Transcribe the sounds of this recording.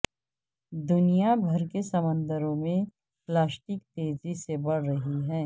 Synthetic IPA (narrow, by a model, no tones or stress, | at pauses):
d̪ʊnijabʱɐɾkesɐmə̃nd̪əɾõmẽ | plaːsʈɪk̚t̪eːzisebɐɽ̤ɾɐɦiɦɛ̃ː